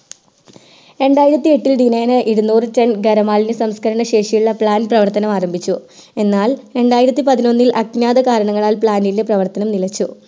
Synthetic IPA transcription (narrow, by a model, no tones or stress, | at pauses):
e̞ɳɖaːjiɾɐt̪ːie̞ʈːild̪ineːnɨʔiɽunuːrɨtenɡɐɾɐmaːlinɨsɐmskʰɐɾɐɳɐɕe̞ːʂijuɭːɐpɭaːnprɐʋɐrt̪ɐnɐmaːrɐmbʱit͡ɕːue̞nːaːle̞ɳɖaːjiɾɐt̪ːipɐðino̞nːilʔɐknaːðɐkaːɾɐɳɐŋːɐɭaːlpɭaːnilːeprɐʋɐrt̪ɐnɐmnilɐt͡ɕːu